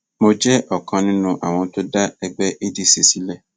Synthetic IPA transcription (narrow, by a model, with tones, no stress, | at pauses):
mo˨d͡ʒɛ˦ʔɔ˨kʰã˨nɪ̃˦nʊ̃˨ʔa˨w̃ɔ̃˨˦tʊ˦da˦ɛ˨ɡ͡bɛ˦ʔe˦di˦se˨si˦lɛ˦